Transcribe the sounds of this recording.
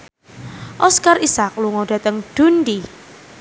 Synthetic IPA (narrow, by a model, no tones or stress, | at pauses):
ʔɔskarʔisak̚luŋɔɖ̥a̤t̪əŋd̪̥ṳndi